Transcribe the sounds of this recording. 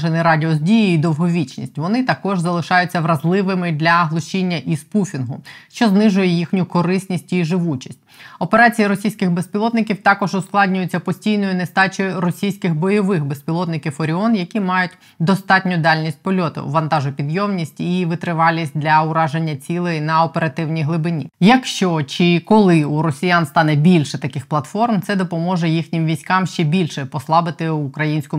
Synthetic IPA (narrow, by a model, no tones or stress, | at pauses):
enɪɾɑdʲiɔzʲdʲijiid̪ɔwɦɔʋʲit͡ʃnʲḭsʲtʲʋɔnɪt̪ɐkɔʒzɐlˠɪʃɑjʊt͡sʲːɐʋɾɐzlˠɪʋɪmɪd̪lʲɐɦlˠɔʃt͡ʃinʲːɐʔispufʲinɦʊʃt͡ʃɔznɪʒʊjɛjixnʲʊkɔɾɪsʲnʲisʲtʲiʒɪʋut͡ʃi̥sʲt̚ʲɔpeɾɑt͡sʲijiɾɔsʲijsʲkɪxbespʲilˠɔt̪nɪkʲiwt̪ɑkɔʒʊsklˠɑdʲnʲʊjʊt͡sʲːɐpɔsʲtʲijnɔjʊnest̪ɑt͡ʃɔjʊɾɔsʲijsʲkɪxbɔjɔʋɪxbespʲilˠɔt̪nɪkʲiwɔɾʲɪɔnjɐkʲimɑjʊtʲ | d̪ɔst̪ɑtʲnʲʊd̪ɑlʲnʲisʲt̚ʲpɔlʲɔt̪ʊ̰ʋɐnt̪ɑʒʊpʲid̪jɔmnʲisʲtʲiʋɪt̪ɾɪʋɑlʲisʲt̚ʲd̪lʲɐʊɾɑʒenʲːɐt͡sʲilˠɪnɐɔpeɾɐt̪ɪwnʲijɦlˠɪbɪnʲḭjɐkʃt͡ʃɔt͡ʃɪkɔlˠɪuɾɔsʲijanst̪ɑnɛbʲilʲʃɛt̪ɐkɪxplˠɐt̪fɔrmt̪sɛd̪ɔpɔmɔʒɛjixnʲɪmʋʲisʲkɑmʃt͡ʃɛbʲilʲʃɛpɔslˠɑbɪt̪ɪʊkɾɐjinʲsʲkʊ